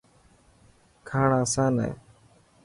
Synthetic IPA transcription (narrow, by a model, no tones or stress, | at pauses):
kʰaːɳaːsãːnḛː